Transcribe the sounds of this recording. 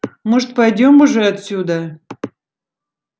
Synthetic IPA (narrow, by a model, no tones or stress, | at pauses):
mɨʐt̪̚pɐjdʲomuʐɛɐt̪sʲud̪ə